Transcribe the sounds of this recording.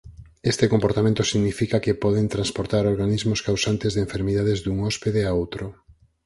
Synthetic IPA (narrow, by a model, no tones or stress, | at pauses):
est̪ekompoɾt̪amẽnt̪ʊsiɣnifikakepɔð̞ent̪ɾãnspoɾt̪aɾoɾɣanizmʊskawsant̪ezðeɱfeɾmiðaðezd̪uŋɔspeðeaowt̪ɾʊ